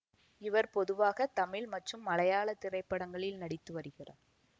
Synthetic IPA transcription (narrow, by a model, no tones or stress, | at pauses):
ɪʋɐɾpɔðɯʋaːɣɐt̪ɐmɪɭmɐʈrɯmːɐlɐjaːɭɐt̪ːɪrɐɪpːɐɽɐŋɡɐɭɪlnɐɽɪt̪ːɯʋɐɾɯɣɪra̰ː